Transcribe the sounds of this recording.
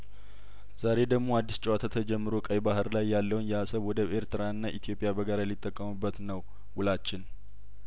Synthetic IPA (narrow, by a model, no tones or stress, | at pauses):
z̥aɾe̞d̪əɡmo̞ad̪ːist͡ʃʼɛwat̪ʰat̪ʰəd͡ʒɛmːɨɾokʼəjbahɨɾlajːalːəwnjɛasəβwɔd̪əβe̞ɾt̪ɨɾaɨnːaʔit̪ʰijo̞pʼɪjabəɡaɾajɛlːɪt̪ʼːəkʼːəmɨbːət̪nəw | wʊlat͡ʃːɪn